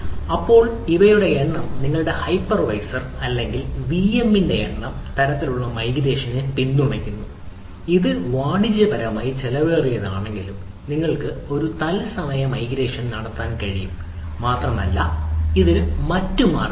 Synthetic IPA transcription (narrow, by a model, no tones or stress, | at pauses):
ɐpːo̞ːɭiʋɐjuɽe̞eɳːɐmniŋːɐɭuɽe̞hɐjpːrɐʋɐjsɐrɐlːe̞ŋɡilʋiemːinde̞jeɳːɐm | t̪ɐɾɐt̪ːiluɭːɐmɐjɡiɾe̞ːʂɐnɨpinːumekʲːunːu | iðɨʋaːɳid͡ʑːɐbɐɾɐʋɐmaːjit͡ɕelɐʋeːrijɐðaːɳe̞ŋɡilum | niŋːɐɭkɨo̞ɾut̪ɐlsɐmɐjɐmɐjɡɾe̞ːʂɐnnɐɽɐt̪ːaːnkɐɻijumː | aːt̪rɐmɐ̰lːɐ̰iðilmɐtːuma̰ːr